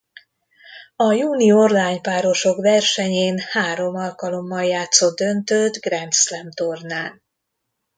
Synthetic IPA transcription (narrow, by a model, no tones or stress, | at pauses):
ɒjuːniorlaːɲpaːɾo̞ʃo̞kʋɛrʃɛɲeːnhaːɾo̞mɒlkɒlo̞mːɒljaːt̪sod̪d̪ønt̪øt̪ɡrɛnt̪slɛmt̪ornaːn